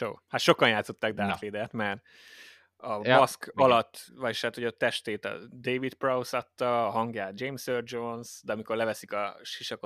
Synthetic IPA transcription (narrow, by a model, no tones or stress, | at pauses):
to̰ːhat̪ʃo̞kɒnjaːt̪so̞t̪ːaɡ̚d̪aːt̪leːd̪ɛt̪mɛr | ɒbɒskɒlɒt̪ːvɒʃaːt̪hoɟɒt̪ɛʃt̪eːt̪ɒ̰d̪ejvit̪prɒusɒt̪ːɒːɦɒŋɡjaːt̪d͡ʒejmsørd͡ʒonsd̪ɛɒmiko̞rlɛvɛsikɒʃiʃɒko